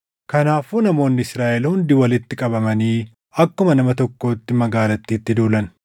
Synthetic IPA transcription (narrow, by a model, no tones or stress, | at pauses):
kɐnaːfuːnɐmo̞ːnːɪɪsɾaːʔɛlhʊnd̪iwɐlɪt̪ːɪkʼɐbɐmɐniː | ɐkːʊmɐnɐmɐt̪ɔkːo̞ːt̪ːɪmɐɡaːlɐt̪ːiːt̪ːɪd̪uːlɐn